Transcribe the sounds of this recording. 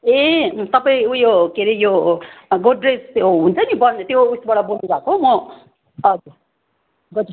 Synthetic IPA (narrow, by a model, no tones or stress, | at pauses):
et̪ʌpaĩujokeɾejoɡoɖresɦunt͡sʰʌnibʌnt̪jousbaɽʌbolnuɾakomʌ | ʌd͡zu | ɡʌt̪